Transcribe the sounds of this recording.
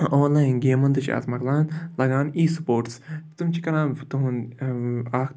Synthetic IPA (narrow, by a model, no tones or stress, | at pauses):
oːnlaːinɡeːmɐ̃nd̪ɨt͡ʃʰa̰ːzmɐklaːnlɐɡaːniːsu̥poːɾʈst̪umt͡ʃʰikɐɾãːnt̪uɦn | aːk